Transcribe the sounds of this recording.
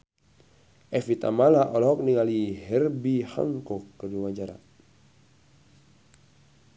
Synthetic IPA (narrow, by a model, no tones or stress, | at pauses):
ʔɛfit̪a̰malaʔɔlɔɦɔk̚niŋaliɦɛrbiha̰ŋkɔkːərluwaɲd͡ʒaɾa̰